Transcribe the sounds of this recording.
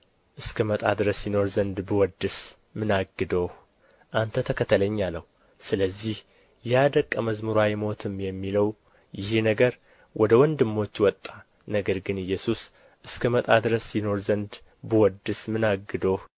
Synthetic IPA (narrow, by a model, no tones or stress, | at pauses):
ʔɨskʰəmət̪ʼad̪ɨɾəsːino̞ɾzənd̪bɨwɔd̪ːɨs | mɨnaɡːɨd̪o̞h | ʔant̪ʰət̪ʰəkʰət̪ʰələɲːalːəh | sɨləzːih | jad̪əkʼːəməzmɨɾwajɛmo̞t̪ʰɨmjɛmːiləw | jɪhnəɡəɾ | wʔɔd̪əwɔnd̪ɨmːo̞t͡ʃːwɔt̪ʼːa | nəɡəɾɡɨnɨjːɛsus | ʔɨskʰəmət̪ʼad̪ɨɾəsːɪno̞ɾzənd̪ | bɨwɔd̪ːɨsmɨnaɡɨd̪o̞h